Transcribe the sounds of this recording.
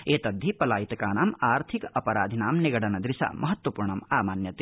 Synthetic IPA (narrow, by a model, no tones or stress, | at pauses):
eːt̪ɐd̪ʱːipɐlaːjit̪ɐkaːnaːmaːɾt̪ʰikɐpɐɾaːd̪ʱinaːmniɡɐɽɐnɐd̪ɾisa̰ːmʔɐɦɐt̪ʋɐpuːɾɳɐmaːmaːnjɐt̪e